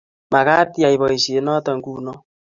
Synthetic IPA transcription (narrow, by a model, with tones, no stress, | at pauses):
ma˨ka˦tja˨i˨βɔ˨i˨se˨˦nɔ˦tɔ˨ŋku˦nɔ˦